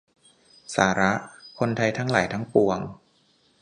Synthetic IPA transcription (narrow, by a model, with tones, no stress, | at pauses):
saː˩˦ɾa˦˥ʔkʰo˧nt̪ʰa˧jt̪ʰa˦˥ŋla̰ː˩˦jt̪ʰa˦˥ŋpu˧əŋ